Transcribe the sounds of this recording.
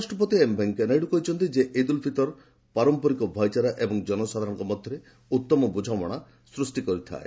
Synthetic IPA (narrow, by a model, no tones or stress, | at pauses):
asʈɾɔp̬ɔt̪iembʱeŋkenajɖukoɦit͡ʃʰɔnt̪id͡ʒeʔed̪ulpʰit̪ɔɾ | paɾɔmpɔɾikɔbʱɔjt͡ʃaɾaʔebɔŋd͡ʒɔnɔsad̪ʱaɾɔ̃ŋkɔmɔd̪ʱjɔɾe | ut̪ːɔmɔbud͡ʒʱamɔɽ̃a | sɾusʈikɔɾit̪ʰa̰e